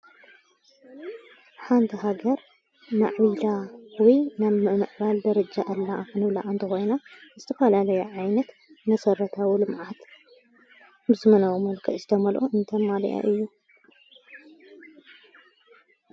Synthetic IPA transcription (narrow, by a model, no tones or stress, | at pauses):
ħant̪ʰiɦaɡɐɾ | ma̰ʕbilawijnaβmɨmɨʕbald̪ɐɾɐd͡ʒaʔɨlːaɨnɨβla̰ʔnt̪ʰɨxo̞jnazɨt̪ʰɐfɐlalɐjuʕajnɐt̪ | mɐsɐrɐt̪ʰawilɨmʕat̪ | bɨzɨmɐnawomɐlkʰɐʔzɨt̪ʰɐmɐlʔoɨnt̪ʰɐmalḭʔa̰ʔɨjːu